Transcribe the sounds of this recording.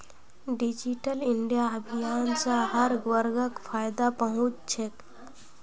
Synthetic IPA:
ɖid͡ʒiʈəliɳɖijaəbʱijaːnsãɦəɾɡʋəɾɡəkpʰajd̪apəɦʊ̃t͡ʃt͡ʃʰek

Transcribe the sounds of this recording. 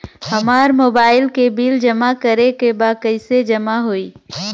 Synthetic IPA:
hɐmaːɾmoːbaːɪlkebiːld͡ʒəmakəɾekebaːkəɪsed͡ʒɐmaɦoiː

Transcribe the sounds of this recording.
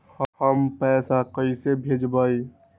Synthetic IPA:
həhəmpɛːsakəisebʱed͡ʒbəi

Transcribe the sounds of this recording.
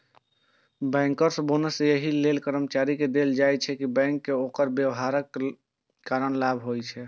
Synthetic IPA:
bɛ̃ŋkəɾsə̃bonəsjəɦilelkəɾəmt͡ʃaɾiked̪eld͡ʒajt͡ʃʰɛkibɛ̃ŋkːeokəɾbjəwɦaɾəkː | aɾəñlabʱɦojt͡ʃʰɛ

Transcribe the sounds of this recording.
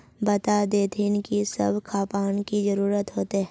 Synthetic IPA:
bɐt̪ad̪eːt̪ʰɪnkisɐ̰bʱkʰaːpaːnkizɐɾuːɾət̪ɦoːt̪eɦɛ

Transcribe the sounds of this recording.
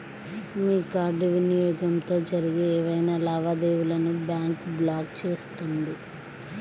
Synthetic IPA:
miːkaːɾɖiʋinijɔːɡɐmt̪o̞ːd͡ʒɐɾiɡeeːʋɐjnaːlɐːʋad̪eːʋulɐnubjaːŋkblaːk̚t͡ʃe̞ːst̪und̪i

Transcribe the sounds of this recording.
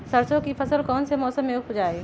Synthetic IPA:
sɐɾsõkifʰɐsəlkɔːnsemɔːsəmːeʊkɦod͡ʒaːeː

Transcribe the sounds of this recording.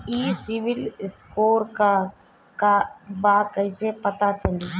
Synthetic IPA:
iːsɪʋɪlskoːɾka | kabaːkəisepət̪at͡ʃəliː

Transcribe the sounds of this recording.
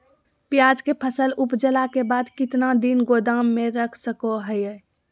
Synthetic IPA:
pjad͡ʒkepʰəsəlupd͡ʒəlakebad̪kit̪nad̪inɡod̪amːeɾəkʰsəkoɦəjɛ

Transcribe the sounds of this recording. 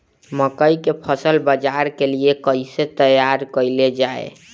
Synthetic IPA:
məkəjkepʰəsəlbəd͡ʒaɾkeliekəiset̪əjaɾkəjled͡ʒaḛ

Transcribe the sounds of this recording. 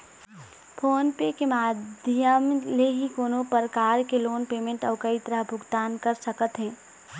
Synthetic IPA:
pʰoːnpekemaːd̪ʱjəmleɦikoːnopəɾkaːɾkeloːnpeːmẽɳʈɔːkəit̪əɾəɦbʱʊɡt̪aːnkəɾsəkət̪ɦɛ̃ː

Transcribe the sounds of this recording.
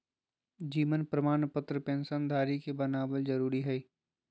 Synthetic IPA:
d͡ʒiːʋənpɾəmaːnpət̪ɾəpẽːnsənd̪ʱaːɾikebɐnaːbəld͡ʒɐɾuːɾiɦɛi

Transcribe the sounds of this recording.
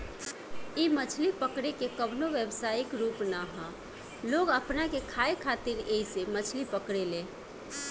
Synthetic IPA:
imət͡ʃʰlipəkɽekekəbnoʋjəbsaːɪkɾuːpnaɦã | loːɡəpnakekʰaːekʰaːt̪ɪɾeɦisemət͡ʃʰlipəkɽeleː

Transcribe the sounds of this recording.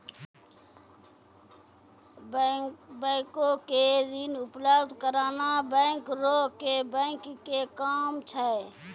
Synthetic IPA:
bə̃ːɪkõkezinʊpləbd̪kəɾaːnabɛ̃ːŋkɾoːkebɛ̃ːŋkːekaːmt͡ʃʰɛ

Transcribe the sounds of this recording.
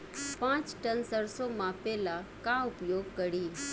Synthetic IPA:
pãt͡ʃʈənsəɾsomãpɛlakãupjoɡkəɽiː

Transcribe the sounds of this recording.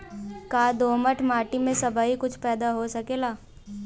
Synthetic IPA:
kaːd̪oːməʈʰmaːʈimẽsɐbaːikʊt͡ʃʰpɛːd̪aɦosɐkeːlaː

